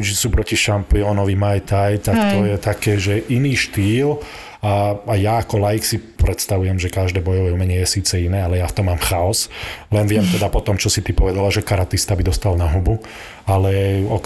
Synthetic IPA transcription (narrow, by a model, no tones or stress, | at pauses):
t͡ʃisuːpɾɔciʃampiɔnɔʋimajt̪ajt̪akt̪ɔjɛt̪akɛːʒɛʔiniːʃt̪iːl | aajaːkɔlajiksipɾɛt̪st̪aʋujɛmʒɛkaʒd̪ɛːbɔjɔʋɛumɛɲɛjɛsiːt͡sɛinɛːalɛjaft̪ɔmːaːmxaɔslɛnʋɪɛmt̪ɛd̪apɔt̪ɔmt͡ʃɔsit̪ipɔʋɛd̪alaʒɛkaɾat̪ist̪abid̪ɔst̪alnaɦubu | alɛɔ